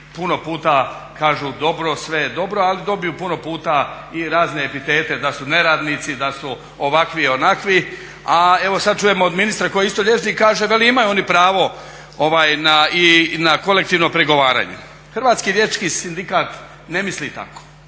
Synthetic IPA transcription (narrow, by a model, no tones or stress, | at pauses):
puno̞puːt̪a | kaːʒud̪o̞bɾo̞sʋed̪o̞bɾo̞alid̪o̞bijuːpuno̞puːt̪a | iɾaːzne̞epit̪e̞ːt̪e̞d̪asune̞ɾaːd̪nit̪sid̪asu | oʋakʋio̞nakʋi | ae̞ʋo̞sad̪̚t͡ʃujemood̪minist̪ɾako̞jeist̪oʎʲje̞t͡ʃnikaːʒeʋe̞liimajuo̞nipɾaːʋo̞ | oʋaːjnainako̞le̞k̚t̪iːʋnompɾeɡo̞ʋaːɾa̰ːɲḛ | xr̩ʋaːt̪skilje̞t͡ʃkisind̪ikaːt̪ | ne̞mislit̪a̰ko̥